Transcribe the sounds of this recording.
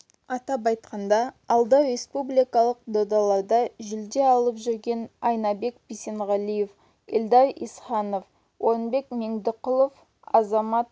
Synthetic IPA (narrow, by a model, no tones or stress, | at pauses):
ɑt̪ɑp̬ɑjt̪qɑnd̪ɑ | ɑlˠd̪ɑwɾe̞spublʲijkɑlˠəq̚d̪od̪ɑlˠɑɾd̪ɑʒʏld̪e̞ɑlˠəpʒʏɾɡʲe̞nɑjnɑbe̞kbise̞nʁɑlije̞f | ɪld̪ɑɾḭsχɑno̞f | wo̞ɾənbe̞kmeŋd̪ɪqʊlˠo̞f | ɑzɑmɑt̪̚